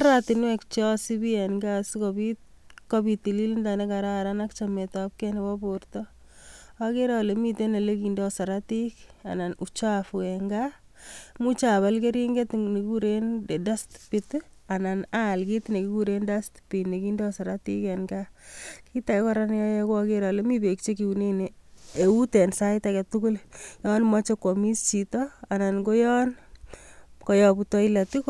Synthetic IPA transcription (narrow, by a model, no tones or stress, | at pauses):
ɾatinwɛkt͡ʃɔsibiɛnɡasikɔbi | kɔpitililindanekaɾaɾanakt͡ʃametap̚kɛnebɔbortɔ | akeɾaɔlemitenelekindesaɾatika̰nanut͡ʃaafuɛŋɡa | mut͡ʃaβalkeɾiŋɡetnekikuɾendedastpit̪ananalkitnekikuɾendastpinekindɔsaɾatikɛnɡakitakɛkɔɾanjɔjɛkwɔkeɾalemibek̚t͡ʃekiuneneeutɛnsaɪtakɛtukuljɔnmat͡ʃekɔmist͡ʃitɔananɡojɔn | kɔjɔputɔilatik